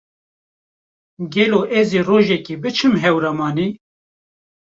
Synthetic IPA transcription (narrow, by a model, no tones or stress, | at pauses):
ɡɛloːʔɛziːroːʒɛkibɨt͡ʃʰɨmɦɛwɾɑmɑːniː